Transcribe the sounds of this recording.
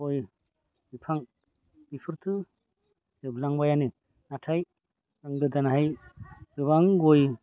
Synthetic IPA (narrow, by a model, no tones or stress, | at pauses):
oj | bipʰaŋ | bipʰɯɾtʰɯ | dɯblaŋbajanɯ | natʰaj | ɯŋdɯdanaɦajdɯβaŋɡoj